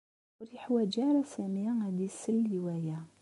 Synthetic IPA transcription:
ɾiħwæd͡ʒæɾˤasæmijaæd̪isəlːiwæjæ

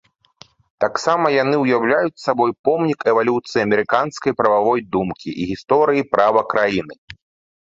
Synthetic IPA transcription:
t̪aksamɐjanɨwjawlʲajut͡sʲsabɔjpɔmnʲikɛvalʲut̪sɨjiɐmʲɛɾɨkanskɐjpɾɐvavɔjd̪umkʲiʔiɣʲist̪ɔɾɨjipɾʔavɐkɾʔajinɨ

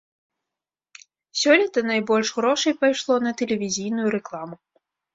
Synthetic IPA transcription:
sʲɔlʲit̪ɐnajbɔlʲʂɣɾɔʂɐjpajʂlˠɔnɐt̪ɛlʲɛvʲizʲijn̪ujuɾɛklˠamʊ

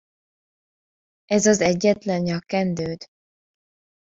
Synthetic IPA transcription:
ɛzɒzɛɟːɛt̪lɛnjɒkːɛnd̪øːd̪

